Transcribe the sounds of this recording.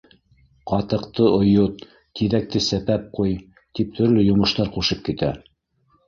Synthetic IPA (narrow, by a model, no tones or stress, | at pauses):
qɑt̪ɤ̆qt̪ɤʔŏjot̪ | t̪iðæk̚t̪ɘsæpæp̚quj | t̪ip̚t̪ʰɵ̆ɾlɵjŏmɤ̆ʃt̪ɑɾquʃɤp̚kit̪æ